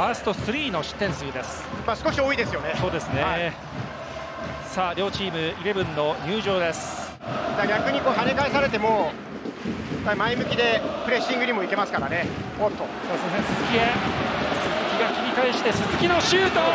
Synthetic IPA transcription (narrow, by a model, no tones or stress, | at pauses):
aːsɨ̥t̪osɨɾʲiːno̞ɕi̥t̪ːẽ̞ɰ̃sɨɯd̪e̞sɨ̥ | masɨ̥koɕio̞ːid̪e̞sɨjo̞nesoːd̪e̞sɨnea | saːɾʲjo̞ːt͡ɕiːmɯ̟iɾebɯ̟̃nːo̞ɲ̟ɯːʑo̞ːd̪e̞sɨ̥ | daɡʲakɯ̟ɲ̟iko̞ːɦanekaesaɾe̞t̪e̞moː | pːaimaimɯ̟kʲid̪e̞pɯ̟ɾe̞ɕːĩŋɡɯ̟ɲ̟imo̞ike̞masɨ̥kaɾane̞ | ot̪ːo | asẽsɨzɨkʲiesɨzɨkʲiɡakʲiɾʲikaeɕi̥t̪e̞sɨzɨkʲino̞ɕɨːt̪o